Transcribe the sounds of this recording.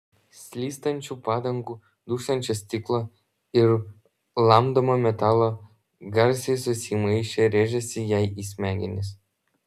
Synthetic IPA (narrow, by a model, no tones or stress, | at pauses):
sʲlʲiːst̪ɐnʲt͡ʃʲupɑːd̪ɐŋɡuː | d̪uːsʲt̪ɐnʲt͡ʃʲɛsʲt̪ʲiklˠo | ɪɾ | lˠɑmd̪omomʲɛt̪ɑlˠo | ɡɐɾʲsʲesʊsʲimɐɪʃʲeɾʲeʒʲɛsʲɪjɛjiːsʲmʲæŋɡʲɪnʲɪs